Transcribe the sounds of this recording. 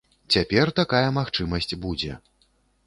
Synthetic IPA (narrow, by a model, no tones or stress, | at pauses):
t͡sʲapʲɛrt̪akajɐmaxt͡ʂɨmɐsʲt͡sʲbud͡zʲɛ̰